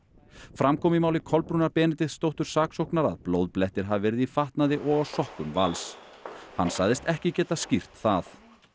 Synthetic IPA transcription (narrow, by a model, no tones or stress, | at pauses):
fɾamkʰɔːmɪimawlɪkʰɔlpɾuːnaɾpɛːnɪt̪ɪðst̪owht̪ʏɾ̥saːksowknaɾa̰ðplowðplɛht̪ɪɾ̥ɦavɪvɛːɾɪðifaht̪naðɪʔɔɣawsɔhkʏmva̰lsha̰nːsaːɣðɪst̪ɛhcɪcɛːt̪ascir̥t̪θaθ